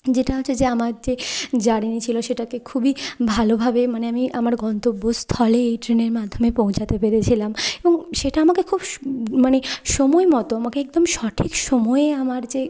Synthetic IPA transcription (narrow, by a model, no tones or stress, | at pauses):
d͡ʑeʈaɦoed͡ʑeamaɾd͡ʑed͡ʑaɽinit͡ɕʰiloʃeʈakekʰubibʱalobʱabemaneamiʔamaɾɡɔnt̪obːost̪ʰɔleejʈɾineɾmad̪ʱːomepõw̃t͡ɕʰat̪epeɾet͡ɕʰilamebɔŋʃeʈaamakekʰubmaneʃɔmɔemɔt̪oamakeek̚d̪omʃɔʈʰikʃɔmɔeeamaɾd͡ʑe